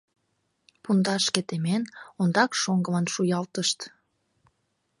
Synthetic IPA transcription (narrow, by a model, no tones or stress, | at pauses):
pund̪ɑʃket̪emenond̪ɑkʃoŋɡə̆mənʃujɑlt̪əʃt̪